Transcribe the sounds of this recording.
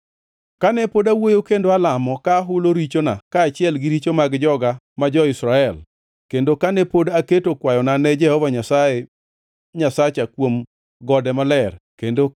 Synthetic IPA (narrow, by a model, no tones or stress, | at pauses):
kanɛpodawojokendoalamɔkaɦʊloɾit͡ʃonakaːt͡ʃɪɛlɡɪɾit͡ʃomaɡd͡ʒɔɡa | mad͡ʒɔɪsɾaɛl | kendokanɛpodaketokwajɔnanɛd͡ʒɛhɔvaɲasaje | ɲasat͡ʃakwom | ɡɔdɛmalɛrkendo